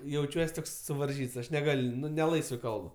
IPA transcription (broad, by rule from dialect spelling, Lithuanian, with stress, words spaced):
jɛʊˈt͡ʃʲuɔs ˈtoːks sʊʋɐrʲˈʒʲiːts ˈɐʃ nʲɛˈɡɐlʲ ˈnʊ nʲɛ ˈlˠɐɪsʋɜ ˈkɐlˠp